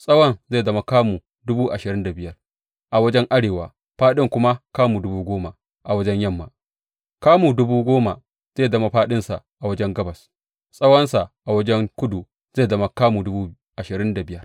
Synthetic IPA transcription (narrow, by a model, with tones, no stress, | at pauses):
sʼɐ˦wɐ˦˨nze˦˨zɐ˦ma˨kaː˦muː˨ | dʊ˦buː˦ʔa˨ʃɪ˨ɾɪ˦nda˨bɪ˦jɐ˦r | ʔa˨wɐ˦d͡ʒɛ˦ŋʔa˦ɽeː˨waː˨ | ɸaː˦ɗɪ˦ŋkʷʊ˦ma˦kaː˦mu˨dʊ˦buː˦ɡʷoː˦ma˨ | ʔa˨wɐ˦d͡ʒɛ˦ɲjɐ˦˨mːa̰˨ | kaː˦muː˨dʊ˦buː˦ɡʷoː˦ma˨ | z̥eː˦˨zɐ˦ma˨ɸaː˦ɗɪ˦nsa˨ | ʔa˨wɐ˦d͡ʒɛ˦ŋɡɐ˦bɐ˨s | sʼɐ˦wɐ˦nsa˨ʔʔa˨wɐ˦d͡ʒɛ˦ŋkʷʊ˦du˨ | z̥eː˦˨zɐ˦ma˨kaː˦mu˨dʊ˦buː˦ | ʔa˨ʃɪ˨ɾɪ˦nda˨bɪ˦jɐ˦r